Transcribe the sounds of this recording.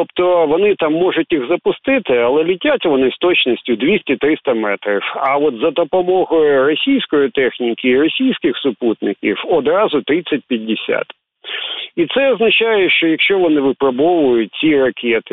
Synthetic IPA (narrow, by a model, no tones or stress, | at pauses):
t̪ɔpt̪ɔʋɔnɪt̪ɑmːɔʒʊtʲjiɣzɐpʊst̪ɪt̪ɪɐlˠɛlʲitʲatʲʋɔnɪst̪ɔt͡ʃnɔsʲtʲʊd̪ʲʋʲisʲtʲɪt̪ɾɪst̪ɐmɛt̪ɾʲɪwɐɔt̪zɐd̪ɔpɔmɔɦɔjʊʊrɔsʲijsʲkɔjit̪ɛxnʲikɪːɾɔsʲijsʲkɪxsʊput̪nɪkʲḭwɔd̪ɾɑzʊt̪ɾɪsʲɐt̚ʲpʲjɐdʲːɪsʲa̰t̪ | it̪sɛɔznɐt͡ʃajɛʃt͡ʃɔjɐkʃt͡ʃɔʋɔnɪʋɪpɾɐbɔʋʊjʊt̚ʲt͡sʲirɐkʲʰɛt̪ɪ